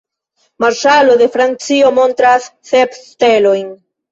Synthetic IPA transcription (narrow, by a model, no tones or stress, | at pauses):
maɾʃalo̞de̞fɾant͡sio̞mo̞nt̪ɾasːe̞pste̞lo̞jn